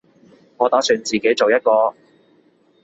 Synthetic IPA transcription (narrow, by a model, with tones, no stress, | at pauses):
ŋɔː˨˧t̪ɐː˨˥syː˨˧nt͡siː˨ke˨˥jt͡so˨wjɐ˥t̚kɔː˧